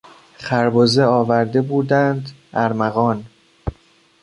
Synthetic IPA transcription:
χæɾbozeɒːvæɾd̪e̞buːd̪ænd̪ʔæɾmæɣɒːn

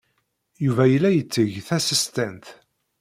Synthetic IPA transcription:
juvæjəlːæjət͡sːəʝθæsəst̪ænt̪

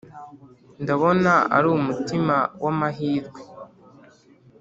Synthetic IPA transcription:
ndaβo̞naa̰ɾumutimawamaɦiːzɡwe

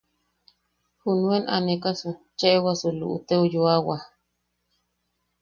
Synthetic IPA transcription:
hunuenʔa̰nekasut͡ʃeʔewasulṵʔṵt̪eujuawa

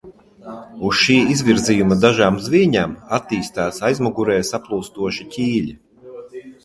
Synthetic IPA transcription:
usʃiːizvʲiɾzijumɐd̪aʒaːmzviɛɲaːmat̪ːiːst̪aːsajzmɔɡuɾɛːjsaplˠuːst̪uɔʃicʲiːʎʲi

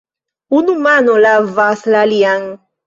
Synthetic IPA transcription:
unumanɔlavaslaliaŋ

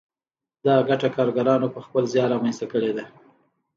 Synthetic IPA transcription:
d̪ɑɡaʈakɑɾɡaɾɑnopəxpəlzjɑɾɑmanst̪akəɽed̪a

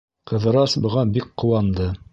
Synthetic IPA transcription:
qɤ̆ðɤ̆ɾɑsbɤ̆ʁɑbikqːŏwɑnd̪ɤ

